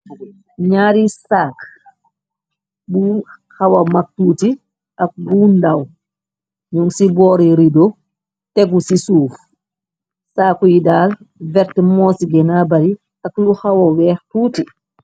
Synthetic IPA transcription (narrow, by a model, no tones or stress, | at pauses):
ɲaːɾisaːk | buː | hawamak̚tuːti | ʔak̚buːndaw | ɲuŋsibɔːɾiɾidɔ | tɛɡusisuːf | saːkujidaːl | vɛɾtmɔːsiɡɛnabaɾi | akluhawawɛːxtuːti